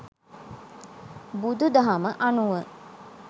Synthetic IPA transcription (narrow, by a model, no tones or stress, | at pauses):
bud̪ud̪ɐɦaməʔɐnuʋə